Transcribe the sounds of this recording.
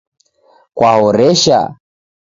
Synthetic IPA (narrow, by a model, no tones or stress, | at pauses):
kwaɦɔɾɛʃa̰